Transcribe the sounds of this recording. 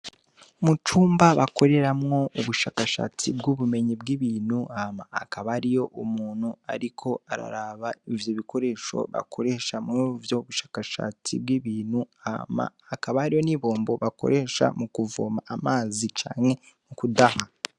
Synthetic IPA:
mut͡ʃuːmbaβako̞ɾe̞ɾamŋo̞uβuʃaːkaʃa̰t͡sibɡuβume̞ɲibɡiβiːnhuamaːkaβaɾijo̞ʔumuːn̥hua̰ɾikʰo̞aɾa̰ɾaβaivjoβikʰo̞ɾe̞ːʃo̞̰βa̰kʰo̞ɾe̞ːʃamŋuvjo̞βuʃḁːkaʃa̰ːt͡sḭbɡiːβiːnhuama̰ːkaβaaɾijo̞niβo̞ːmbo̞βako̞̰ɾe̞ːʃa̰mukuvoːmaːmaːzit͡ʃa̰ːŋe̞ | mukudaha

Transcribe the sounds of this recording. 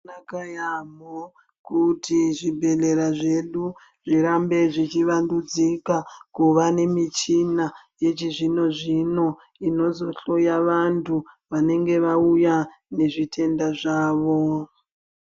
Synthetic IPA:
nakajamo | kutiʐibʱe̞le̞ɾaʐe̞ɗu | ʐiɾambe̞ʐit͡ʃiʋandud͡zikakuʋane̞mit͡ʃina | je̞t͡ʃiʐino̞ʐino̞ | ino̞zo̞ɬo̞jaʋantʰuʋane̞ŋɡe̞ʋaujane̞ʐitʰe̞ndaʐaːʋo̞

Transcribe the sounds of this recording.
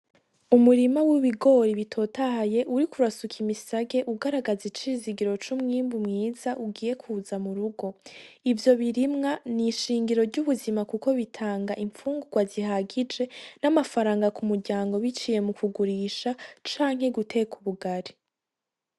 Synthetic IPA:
umuɾimawiβiɡo̞ɾiβitʰo̞ːtahaje̞ʔuɾikuɾasukʰimisaɡe̞ʔuɡaɾaɡazit͡ʃiziɡiɾo̞t͡ʃumŋiːmbumŋiːzaʔuɡiːje̞kʰuːzamuɾuɡo̞ivjo̞βiɾimŋaniʃiːŋɡiɾo̞ɾɟuβuzimakuko̞βitʰaːŋɡaʔiɱfuːŋɡuɡwaziɦaɡid͡ʒe̞namafaɾaːŋɡakumuɾɟaːŋɡo̞βit͡ʃije̞mukuɡuɾiːʃat͡ʃaːŋ̥he̞ɡute̞kuβuɡaɾi

